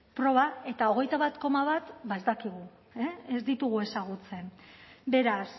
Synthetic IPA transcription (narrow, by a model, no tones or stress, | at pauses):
pɾo̞β̞ae̞t̪ao̞ɣ̞e̞jt̪aβat̪ko̞maβat̪baezd̪akiɣ̞u | eezd̪it̪uɣ̞ue̞saɣ̞ut͡se̞nbe̞ɾas